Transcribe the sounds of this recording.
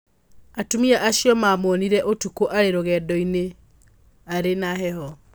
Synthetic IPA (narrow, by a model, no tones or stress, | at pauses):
atumiaʔaɕijɔmamoːniɾɛʔotukoʔaɾeɾoɣɛːdɔine | aɾenaɦɛhɔ